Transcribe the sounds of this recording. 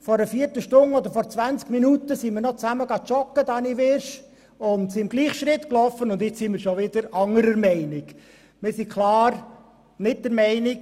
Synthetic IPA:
fɔɾəfiːəɾtəʃtʊnɔd̪əɾfɔɾt͡svænt͡skminutəsimɪɾnɔt͡sæməɡɑt͡ʃɔkːəd̪ɑːniʋɪɾʃ | ʊnt̪siɪmɡ̥liːχʃɾɪt̪klɔfːənʊnd̪jɪt͡ssimɪɾʃoʋɪd̥̪əɾɑŋəɾəɾmɛɪnɪk | mɪsikʰlɑːɾ | nɪt̚dɛɾmɛɪnɪk

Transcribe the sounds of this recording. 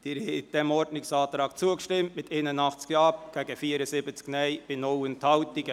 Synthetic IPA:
d̪̥iɾɪd̥̪ɛmɔɾdnɪŋsɑːt̪ɾɑːk̚t͡suəkəʃtɪmtmɪtenənɑχt͡skjɑːpɡ̥ɛːɡəfiːəɾəsɪbət͡sknɛɪb̥ɪnɔlənt̪hɑʊt̪ɪɡə

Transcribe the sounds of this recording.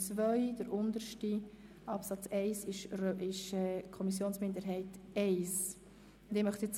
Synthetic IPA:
t͡svœʏd̥əɾʊndəɾʃti | ɑpsɑt͡sɛɪsɪʃɾɪʃɛkʰɔmis̬joːnsmɪndəɾɦɛɪtɛɪs | d̥eːmœχt̪it͡s

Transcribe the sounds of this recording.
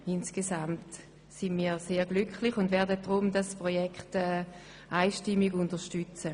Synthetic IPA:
ɪnsɡ̥esamt | sɪnmiːseːɡlykχlɪχʊndvɛɐdəd̥ʁʊmdaspʁojɛkχtɛː | ʔaɪʃtɪmːiɡʊntəʃtyt͡sə

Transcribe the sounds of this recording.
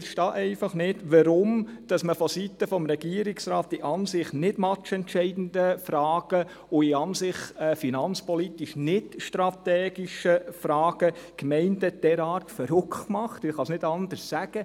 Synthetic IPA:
ʃtɑːʔɛɪfɑχnɪdʋəɾʊmd̥ɑsməfɔsit̪əfɔmɾɛɡ̥iːəɾɪksɾɑːtɪʔɑnsɪχnɪdmɑt͡ʃɛntt͡ʃɛɪdn̩dəfɾɑːɡ̥ə | ʊɪɑnsɪχɛfinɑnt͡spɔlit̪iʃnɪtʃtɾɑt̪ɛːɡiʃəfɾɑːɡ̥əkmɛɪndəd̥ɛɾɑːɾtfəɾʊkʰχtmɑχt̪ɪχɑsnɪdɑnd̪əɾssæɡ̥ə

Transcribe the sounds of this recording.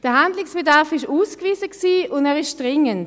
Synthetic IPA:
d̥əɐɦandlɪksb̥edaʁfɪʃuːskviːzəksiːʊndɛːʁɪʃd̥ʁɪŋənt

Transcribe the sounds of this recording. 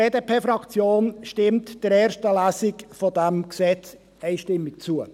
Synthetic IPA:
eːdepʰeːfɾɑkt͡sjoːnʃtɪmtd̥əɾɛːɾʃtəlæːsɪkfɔdæmksɛt͡s | ɛɪʃtɪmːɪkt͡suə

